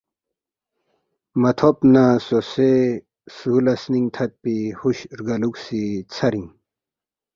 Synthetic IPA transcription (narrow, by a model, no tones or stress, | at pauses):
mɐt̪ʰopnasose | sulɐsniŋt̪ʰɐt̪̚pihuɕɾɡɐluksit͡sʰɐɾiŋ